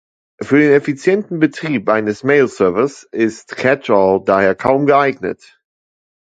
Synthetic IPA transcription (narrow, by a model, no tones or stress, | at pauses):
fyːɐdeːnɛfit͡sjɛntn̩bətʁ̥iːpʔaɪnəsmeɪlsœɐvɪsɪstkʰɛt͡ʃɔldaːheːɐkʰaʊmɡəaɪɡnə̰t